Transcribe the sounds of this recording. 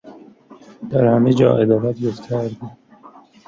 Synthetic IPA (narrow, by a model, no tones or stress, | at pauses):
d̪̥æɾhæmed͡ʒɒ̰ːʔed̪ɒːɾæt̪joft̪ʰeɾd̪i